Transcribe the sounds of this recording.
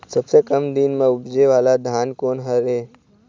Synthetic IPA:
səbsekəmd̪inmãʊbd͡ʒeʋalad̪ʱankoːnɦəɾe

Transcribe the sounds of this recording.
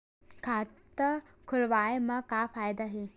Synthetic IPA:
kʰaːt̪ə | kʰʊlʋaːjmãkaːfaːjd̪aɦe

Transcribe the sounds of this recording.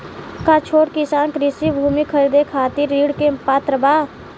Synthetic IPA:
kat͡ʃʰoːʈkisaːnkɾɪsibʱuːmikʰəɾid̪ekʰaːt̪iɾːiːɽkepaːt̪ɾəbaː

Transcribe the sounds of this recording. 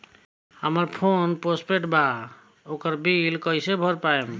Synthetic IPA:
həməɾpʰonpospeʈba | okəɾbilkəjsebʱɔɾpaem

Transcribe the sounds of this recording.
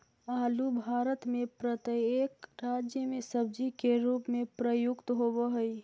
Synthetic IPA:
aːlubʱaːɾət̪mẽpɾət̪iekɾaːd͡ʒjəmẽsəb̚d͡ʒikeɾuːpmẽpɾəjʊkt̪ɦoboɦəi

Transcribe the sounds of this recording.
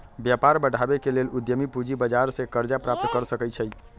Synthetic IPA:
bjapaɾbəɽʱabekelelud̪jəmipud͡ʒibəd͡ʒaɾsẽkəɾd͡ʒapɾap̚t̪kəɾsəkəjt͡ʃʰəj

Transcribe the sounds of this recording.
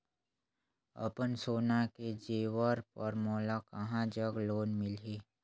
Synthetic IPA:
ə̰pənsoːnaked͡ʒeːwəɾpəɾmoːlakɐɦãd͡ʒəɡloːnmɪlɦeː

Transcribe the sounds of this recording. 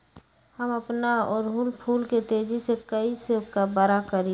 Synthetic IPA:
həməpnaɔːɾɦulpʰuːlket̪eːd͡ʒisekəisekabəɾakəɾĩ

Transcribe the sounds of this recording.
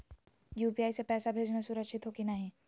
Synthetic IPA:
juːpijaːisepɛːsabʱeːd͡ʒnasʊɾəkʃɪt̪ɦoːkinɐɦĩː

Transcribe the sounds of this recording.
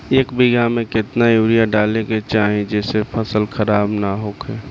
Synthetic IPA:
eːkbɪɡamẽkɪt̪najuːɾijaɖaːleket͡ʃaːɦẽd͡ʒɛːsepʰəsəlkʰəɾaːbnaɦoːkʰeː

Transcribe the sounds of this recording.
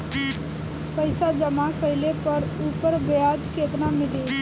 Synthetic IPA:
pəjsad͡ʒəmakəjlepəɾupəɾbejad͡ʒkʰet̪namɪɽe

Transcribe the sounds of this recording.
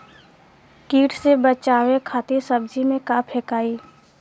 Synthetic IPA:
kiːʈʰsebət͡ʃaːwekʰaːt̪isəbd͡ʒimẽkaːpʰeːkaːiː

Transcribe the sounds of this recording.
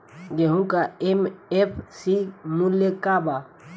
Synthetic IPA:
ɡeɦũkaemepʰsimuljekaba

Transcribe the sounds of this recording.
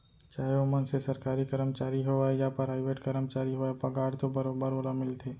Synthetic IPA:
t͡ʃaːɦeomənsesɐɾkaːɾikəɾəmt͡ʃaːɾiɦoaejapəɾaɪʋeːʈkɐɾəmt͡ʃaːɾiɦoepɐɡaːɽt̪obɐɾoːbəɾəlamɪlt̪ʰeː

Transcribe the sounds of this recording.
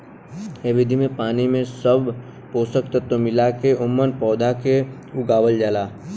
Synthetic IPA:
eʋɪd̪ʱimẽpaːnimẽsəbʱ | poːsək̚t̪ət̪ːomɪlakeʔʊmːənpɔːd̪ʱake | ʊɡaːʋəld͡ʒaːlaː

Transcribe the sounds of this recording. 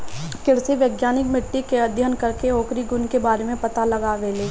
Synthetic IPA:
kɪɾseʋjəɡjaːnɪkmɪʈːikeɐd̪ʱjənkɐɾkeoːkɾiɡʊnkebaːɾemẽpɐt̪alɐɡaʋeːleː

